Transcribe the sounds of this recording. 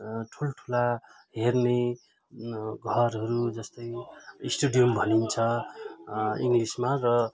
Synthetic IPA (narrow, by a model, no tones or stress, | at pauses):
ʈʰulʈʰula | ɦerne | ɡʱʌɾɦʌɾud͡zʌst̪ʌjisʈuɖijʌmbʱʌnint͡sʰʌ | iŋɡlismarʌ